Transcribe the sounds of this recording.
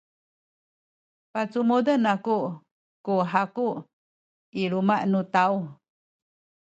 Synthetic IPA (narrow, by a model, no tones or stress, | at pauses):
pat͡sumudənaku | kuɦakuʔ | iɾumaʔnut̪au